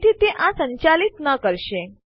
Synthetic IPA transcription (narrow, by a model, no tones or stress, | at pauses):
ʈ̪iːt̪eʔãsəɲt͡ɕalit̪nəkəɾɕe